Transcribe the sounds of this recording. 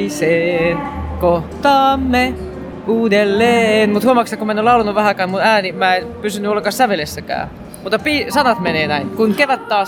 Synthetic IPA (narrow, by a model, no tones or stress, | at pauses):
seːnkoht̪ɑːmːe | uːdelːeːnmut̪huomːɑksekomæenolɑulɑnːuʋʋæhækæːmmut̪æːnimæenpysynːyolːeŋkɑssæʋelesːækæ̰ː | mut̪ːˑɑpiːsɑnɑt̪meneːnæinkunkeʋæt̪t̪ɑːs